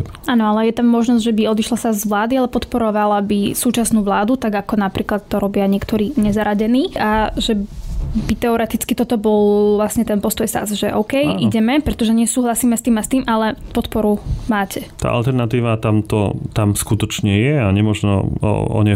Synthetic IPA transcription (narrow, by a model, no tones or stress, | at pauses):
aːnɔalɛjɛt̪amːɔʒnɔzɟʒɛbiɔd̪iʃlasazzʋlaːd̪ialɛpɔt̪pɔɾɔʋalabisuːt͡ʃasnuːʋlaːd̪ut̪aɡakɔnapɾiːklat̪t̪ːɔɾɔbɪaɲɪɛkt̪ɔɾiːɲɛzaɾaɟɛniːʔaʒɛbit̪ɛɔɾɛt̪it͡skit̪ɔt̪ɔbɔlʋlasɲɛt̪ɛnpɔst̪ɔjsa̰zʒɛʔɔʊkɛjʔiɟɛmɛpɾɛt̪ɔʒɛɲɛsuːɦlasiːmɛst̪iːmɛst̪iːmʔalɛpɔt̪pɔɾumaːcʰɛt̪a̰ːʔa̰lt̪ɛɾnat̪iːʋat̪amt̪ɔ̰t̪amskut̪ɔt͡ʃɲɛjɛaɲɛmɔʒnɔ̰ɔ̰ɲɛ